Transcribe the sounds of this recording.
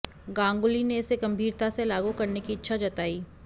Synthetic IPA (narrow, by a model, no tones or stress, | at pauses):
ɡãːŋɡʊlineɪseɡɐ̃mbʱiːɾt̪aselaːɡukɐɾnekiɪtːʃʰad͡ʒɐt̪aːiː